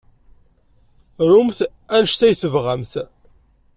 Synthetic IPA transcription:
ɾumθ | ænəʃt̪æjθəvʁæmθ

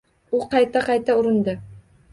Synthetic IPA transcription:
ʊqʰɑjt̪ʰaqʰɑjt̪ʰaʊɾɪnd̪ɪ

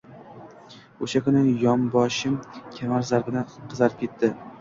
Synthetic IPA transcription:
oʃakʰʊnɪjɒmbɒʃɪmkʲʰamaɾzaɾbɪd̪aqʰɨzaɾɪp̚kʲʰe̞t̪ʰːɪ

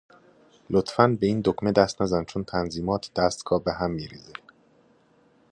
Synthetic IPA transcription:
lot̪ʰfænbeiːnd̪okmed̪æst̪næzænt͡ʃʰont̪ʰænziːmɒːt̪ʰd̪̥æst̪ɡʰɒːbeɦæmːiːɾḭːze

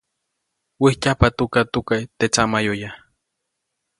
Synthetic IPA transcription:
wihcapat̪ukat̪ukajt̪et͡samajoja

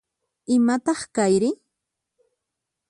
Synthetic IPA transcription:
ɪmat̪ɑχkajɾɪ

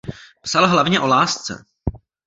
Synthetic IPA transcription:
psalɦlavɲɛʔo̞laːst͡sɛ̰

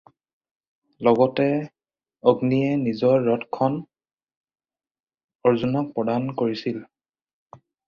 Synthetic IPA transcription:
lɔɡɔtɛ | oɡniɛnizɔɹːɔtkʰɔn | ɔɹzunɔk̚pɹɔdankoɹisil

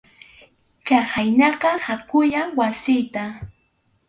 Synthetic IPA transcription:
t͡ʃahajnɑqɑhakʊjaŋwasɪjt̪a

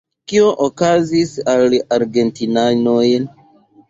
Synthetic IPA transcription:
kio̞ʔokazisalaɾɡe̞ntinanojn

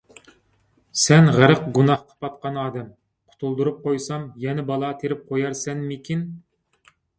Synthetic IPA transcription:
sɛnʁəɾəqɡunɑhqʰɑ̥pʰɑt̪̚qɑnɑːd̪ɛm | qʰʊ̥t̪ʰulˠd̪uɾup̚qʰojsɑmjɛnɛbɑlˠɑt̪ʰeɾɪp̚qʰojɑɾsɛnmekʲʰin

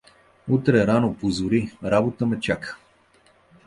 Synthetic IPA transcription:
ut̪ɾɛɾanopozʊɾiɾabot̪əmɛt͡ʃakə̥

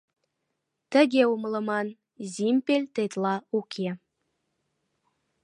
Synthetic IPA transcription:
t̪ə̆ɣeumlˠɤ̆mɑn | zimpelʲt̪et̪lˠɑukʰe

